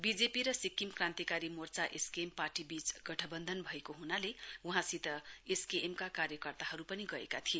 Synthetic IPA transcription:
bid͡zepiɾʌsikːimkrãnt̪ikaɾimort͡saʔeskeːmparʈibit͡sɡ̥ʌʈʰʌbʌnd̪ʱʌnbʱʌekoɦunalewuɦãsit̪ʌeskeʔːmkakarjʌkʌrt̪aɦʌɾupʌniɡʌḛkat̪ʰie

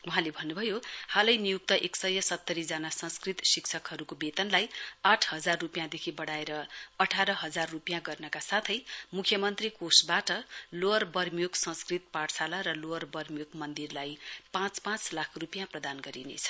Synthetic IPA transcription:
uɦãlebʱʌnːubʱʌjohalʌjnijuk̚t̪ʌʔeksʌjʌsʌt̪ːʌɾid͡zanasʌ̃nskrit̪siksʰʌkɦʌɾukobet̪ʌnlajaʈʰhʌd͡zarːupjãd̪ekʰibʌɽaeɾʌʌʈʰaɾʌɦʌd͡zarːupijãɡʌrnʌkasat̪ʰʌjmukʰjʌmʌnt̪rikosbaʈʌloʌrbʌrmijoɡsʌ̃nskrit̪paʈsalaɾʌloʌrbʌrmijoɡmʌnd̪irlajpãt͡spãt͡slakʰrupijãprʌd̪anɡʌɾinḛt͡sʰʌ̥

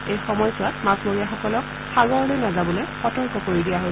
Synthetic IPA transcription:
ejxɔmɔjsʊwatmasmoɹijaxɔkɔlɔk̚ | xaɡɔɹlojnazabɔlojxɔtɔɹkɔkoɹidijaɦo

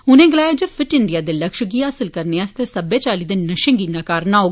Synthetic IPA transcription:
ʊnẽːɡəlaːjeːd͡ʒəfʰɪʈɪɳɖijaːd̪eːləkʃɡiːɦaːsəlkəɾneːast̪eːsəbeːt͡ʃaːliːd̪ɪnːəʃə̃ŋɡiːnãːkaːɾnaːoː

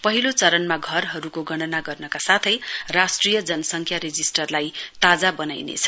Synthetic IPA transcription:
pʌɦilot͡sʌɾʌnmaɡʱʌrɦʌɾukoɡʌɽ̃ʌnaɡʌrnʌkasat̪ʰʌjrasʈrijʌd͡zʌnʌsʌŋkʰjaɾed͡zisʈʌrlajt̪ad͡zabʌnajnḛt͡sʰʌ̥

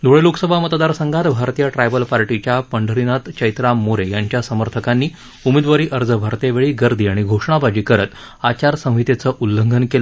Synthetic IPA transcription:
d̪ʱoɭeloksəbʱamət̪d̪aɾsəŋɡat̪bʱaɾt̪ijaʈɾajbəlpaɾʈit͡ɕjapəɳɖʱəɾinat̪t͡ɕəjt̪ɾamːoɾejaɲt͡ɕjasəməɾt̪ʰəkanːiː | umed̪ʋaɾiːʔəɾd͡zəbʱaɾt̪eʋeɭiːɡəɾd̪ʱiːaɽ̃iɡʱoʂɳ̃abad͡ʑiːkəɾət̪ | at͡ɕaɾsə̃w̃ɦit̪et͡səʔulːəŋɡʱənkelə

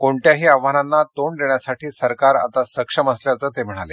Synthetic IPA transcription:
koɳʈ̪jaɦiːaʋʋananːat̪oɳd̪eɳjasaʈʰiːsəɾkaɾa̰t̪asəkʂəməsljat͡səːt̪em̤əɽ̃ale

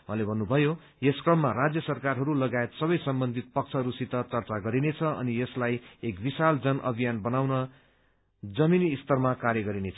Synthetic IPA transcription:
wãlebʱʌnːubʱʌjo | jeskrʌmːarad͡zjʌsʌrkarɦʌɾulʌɡaet̪sʌbʌjsʌmbʌnd̪ʱit̪̚pʌk̚t͡sʰʌɦɾusit̪ʌt͡sʌrt͡saɡʌɾinet͡sʰʌʌ̰nijʌslajekbisald͡zʌnʔʌ̰bʱijanbʌnawnʌ | d͡zʌminiːst̪ʌrmakaɾjʌɡʌɾinet͡sʰʌ

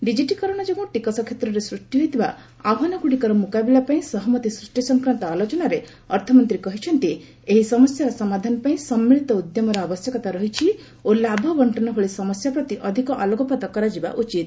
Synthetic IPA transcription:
ɖid͡ʒiʈikɔɾɔɽ̃ɔd͡ʒɔɡɔ̃ʈikɔsɔkʰːjet̪ɾɔɾesɾuʂʈiɦojt̪iba | abʱɦɔnɔkuɽikɔɾɔmukabilapaĩsɔɦɔmɔt̪isɾuʂʈisɔŋkɾant̪ɔalot͡ʃɔnaɾe | ɔɾt̪ʰɔmɔnt̪ɾikɔɦit͡ʃʰɔnt̪i | eɦisɔmɔsjaɾɔsɔmad̪ʱanɔpaĩsɔmːiɭit̪ɔud̪jɔmɔɾɔabɔsjɔkɔt̪aɾɔɦit͡ʃʰi | olabʱɔbɔɳʈɔnɔɦoɭisɔmɔsjapɾɔt̪iʔɔd̪ʱikɔʔalɔɡɔpat̪ɔkɔɾad͡ʒiba̰ʔut͡ʃit̪

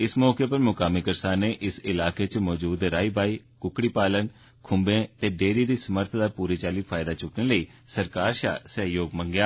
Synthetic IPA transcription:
ɪsmɔːkeːpəɾmʊkaːmɪkəɾsaːnːeːʔɪsɪlaːkeːt͡ʃmɔːd͡ʒuːd̪ɾaːiːbaːiː | kʊkɽiːpaːlən | kʰʊmbẽːt̪eːɖeːɾiːd̪iːsəməɾt̪ʰd̪aːpuːɾiːt͡ʃaːliːpʰaːɪd̪aːt͡ʃʊkənləiːsəɾkaːɾʃa̰ːsəɦjoːɡməŋɡjaː

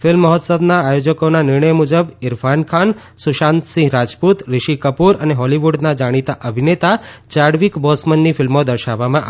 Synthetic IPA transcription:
fɪlmːəɦɔt̪səbnaːjod͡ʒəkonanɪɾɳəjmud͡ʒəbɪɾfʰankʰan | suʃãnt̪sĩɦɾad͡ʒput̪ɾɪʃikəpuɾəneɦɔliʋuɖnad͡ʒaɽ̃it̪aʔəbʱinet̪at͡ʃaɽʋikbɔsmənːifɪlmod̪əɾʃaʋːamãʔ

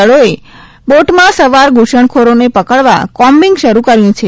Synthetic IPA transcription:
əɭoe | boʈmãsəʋaɾɡʱuʃəɳkʰoɾonepəkəɭʋa̰kɔmbiŋɡʃəɾukəɾjũt͡ʃʰe

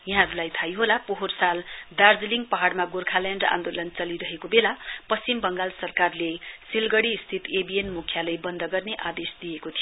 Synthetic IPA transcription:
jʌɦãɾulajt̪ʰajɦolapoɦorsald̪ard͡zliŋɡpʌɦaɽmaɡorkʰaljanɖã̰nd̪olʌnt͡sʌliɾʌɦekobelapʌst͡simbʌŋɡalsʌrkarlesilɡʌɽiːst̪ʰit̪ebienmukʰːjalʌjbʌnd̪ʱʌɡʌrneʔad̪esd̪ijekot̪ʰijo

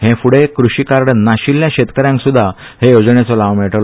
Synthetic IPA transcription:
ɦẽfuɽekɾuɕiːkaɾɽənaɕiljãɕet̪kəɾjãŋksud̪ʱːa | hejod͡zɳjat͡sɔlaʋmiɭʈl

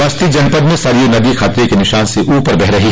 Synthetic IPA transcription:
ɐst̪id͡ʒɐnpəd̪mẽsaːɾijonɐd̪ixaːt̪ɾekenɪʃaːnseʔuːpəɾbɛɦɾɐɦi

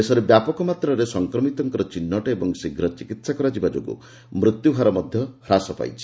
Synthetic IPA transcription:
esɔɾebjapɔkɔmat̪ɾɔɾesɔŋkɾɔmit̪ɔŋkɔɾɔt͡ʃinːɔʈaebɔŋsiɡʱɾɔt͡ʃikit̪sakɔɾad͡ʒibad͡ʒoɡṵ | mɾut̪jubʱaɾɔmɔd̪ʱjɔhɾasɔpa̰jt͡ʃʰi̥

